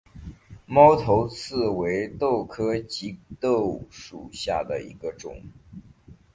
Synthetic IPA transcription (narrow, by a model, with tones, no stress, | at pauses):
mɑ˥ʊt̪ʰo˧˥ʊt͡sʰɹ̩˥˩we˧˥ɪt̪o˥˩ʊkʰɤ˥t͡ɕi˧˥t̪o˥˩ʊʂu˨˩ɕja˥˩d̪ə̰˩ḭ˧˥ɡə˧ʈ͡ʂʊ̰˨˩˦ŋ